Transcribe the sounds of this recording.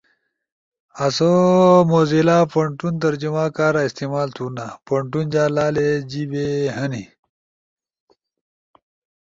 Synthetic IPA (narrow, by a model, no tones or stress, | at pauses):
ɐsomoːzelaːpoɳʈunt̪̬ɐɾd͡ʑumaːkaːɾaist̪iːmaːlt̪ʰunapɐɳʈund͡ʑaːlaːled͡ʑibeɦɐni